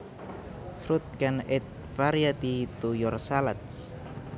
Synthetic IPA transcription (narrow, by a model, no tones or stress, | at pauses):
fɾut̪̚kanɛt̪̚ | faɾjat̪it̪ujɔrsalat̪s